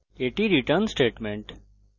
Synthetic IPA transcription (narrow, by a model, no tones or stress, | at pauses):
eːʈiɾiʈəɾnsʈeːʈmẽɳʈ